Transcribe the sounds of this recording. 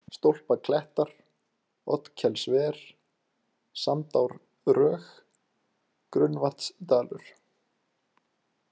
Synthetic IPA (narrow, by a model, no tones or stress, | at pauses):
st̪owl̥pakʰlɛht̪aɾ̥ | ɔ̰t̪cʰɛlsvɛɾ̥ | samt̪awɾ | rœːx | kɾʏnvḁt̪st̪aːlʏ̰ɾ̥